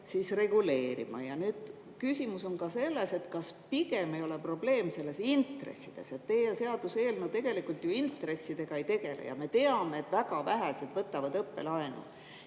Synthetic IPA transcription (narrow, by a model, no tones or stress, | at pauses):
siːsre̞ɡ̥ule̞ːɾḭmɑ̰jɑnyːd̪̥ | kysimuso̞nkɑse̞lːe̞se̞t̪kɑspiɡ̥e̞me̞jo̞lepro̞ble̞ːmse̞lːe̞sint̪rḛsːid̪̥e̞set̪ːejese̞ɑd̪̥use̞ːlnut̪e̞ɡ̥e̞likˑult̪juint̪ːˑre̞sːid̪̥e̞ɡ̥ɑe̞jt̪e̞ɡ̥e̞lḛjɑ̰me̞t̪e̞ɑme̞ːt̪væɡ̥ɑvæɦæselt̪vɤt̪ːˑɑvɑd̪ɤpːe̞̰lɑenṵl